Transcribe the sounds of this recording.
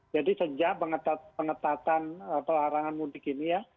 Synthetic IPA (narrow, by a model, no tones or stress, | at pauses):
d͡ʒadisəd͡ʒaʔpəŋət̪at̪̚pəŋət̪at̪anəpəlaɾaŋanmudɪkinija